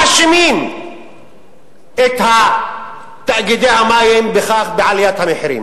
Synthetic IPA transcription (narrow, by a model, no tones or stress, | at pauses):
aʃmiːn | et̪ha | t̪aʔɡid̪ejhamaːjembexaːxbeʕalijat̪hamɪħɾḭːm